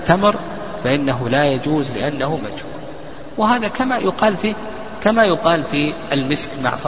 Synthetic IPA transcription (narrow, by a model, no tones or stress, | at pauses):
t̪ːamɾ | faʔɪnːaɦʊlaːjad͡ʒuːzlɪʔanːahʊma̰d͡ʒhṵːl | wɪɦaːðakamajʊqɑːlfi | kamajʊqɑːlfiʔalmɪskma̰ʕf